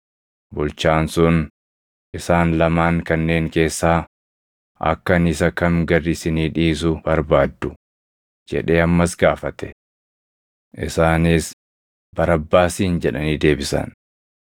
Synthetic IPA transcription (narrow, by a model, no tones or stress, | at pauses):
bʊlt͡ʃaːnsʊn | ʔɪsaːnlɐmaːŋkɐnːe̞ːŋke̞ːsːaː | ʔɐ̰kːɐnɪsɐkɐmɡɐrːisɪniːᶑiːs̬ʊb̥ɐɾbaːd̪ːʊ | d͡ʒɛ̰ᶑe̞ːɐmːɐsɡaːfɐt̪ɛ̥ | ʔɪsaːnɪs | bɐɾɐbːaːsiːnd͡ʒɛᶑɐniːd̪e̞ːbɪsɐ̰n